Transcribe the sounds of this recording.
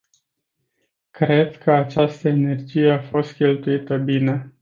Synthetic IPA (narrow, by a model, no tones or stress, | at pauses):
kɾe̞d̪kʰəat͡ʃast̪əene̞rd͡ʒije̞afo̞st̪̚kʲe̞lt̪uit̪əbine̞